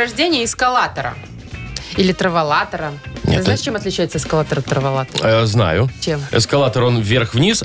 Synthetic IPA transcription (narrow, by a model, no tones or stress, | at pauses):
ɐʐdʲenʲɪjəɪskɐlˠat̪əɾə̰ | ilʲɪt̪ɾəvɐlˠat̪əɾən̰ʲznjɪʂt͡ɕʲemɐt̪lʲɪt͡ɕæjɪt̪səɪskɐlˠat̪əɾət̪ɾəvɐlˠat̪zna̰jʊt͡ɕemɪ̰skɐlˠat̪əɾo̞nvʲerxvnʲis